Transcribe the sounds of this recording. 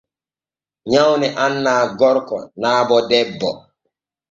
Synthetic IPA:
ɲawnɛʔanːaːɡɔɾkɔ̰naːbɔdɛbːɔ

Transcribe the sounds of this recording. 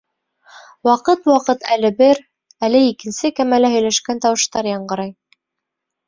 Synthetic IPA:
wɑqɤt̪wɑqɤt̪ælɘbɘɾ | ælɘikɘ̆nsɘkæmælæhɵ̆jlæʃkænt̪ɑwɤ̆ʃt̪ɑɾjɑɴɢɤ̆ɾɑj

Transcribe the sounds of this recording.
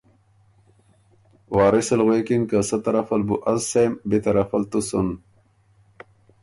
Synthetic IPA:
waːɾisɐlɣeːkinkɐsɐt̪ɐɾɐfɐlbuʔɐzsembit̪ɐɾɐfɐlt̪usun

